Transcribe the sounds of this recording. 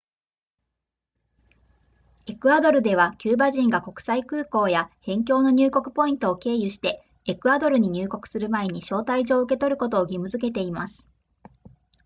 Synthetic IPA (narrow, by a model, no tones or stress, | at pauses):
e̞kɯ̟ad̪o̞ɾɯ̟d̪e̞β̞akʲɨːbaʑĩŋɡako̞kɯ̟̥saikɯ̟ːko̞ːjahẽ̞ŋk̬ʲo̞ːno̞ɲ̟ɨːko̞kɯ̟̥po̞ĩnt̪o̞ːke̞ːjɯ̟ɕi̥t̪e̞ | ekɯ̟ad̪o̞ɾɯ̟ɲ̟iɲ̟ɨːko̞kɯ̟̥sɨɾɯ̟mae̞ɲ̟iɕo̞ːt̪aiʑo̞ːɯ̟ke̞t̪o̞ɾɯ̟ko̞t̪o̞ːɡʲimɯ̟zɨke̞t̪̬e̞imasɨ̥